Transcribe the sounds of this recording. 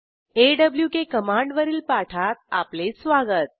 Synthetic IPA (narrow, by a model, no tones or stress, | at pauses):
eɖəbljukekəmãɳɖʋəɾiːlpaʈʰat̪̚a̰plesʋaɡət̪̚